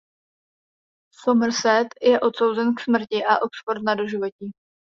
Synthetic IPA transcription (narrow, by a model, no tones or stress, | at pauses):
somr̩sɛt̪jɛʔo̞t̪so̞wzɛnksmr̩cɪʔaʔo̞tspoɾnadoʒɪvo̞cɪ